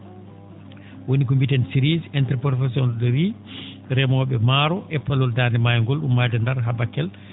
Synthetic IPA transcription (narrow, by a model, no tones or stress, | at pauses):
wonikombitɛnsiɾizɛntɾpɾɔfɛs̬ɔnɗɔɾi | ɾɛmɔɓɛmaɾɔʔɛpːalɔldanɛmajŋɡɔlɗumːajdɛndaɾɦabakːɛl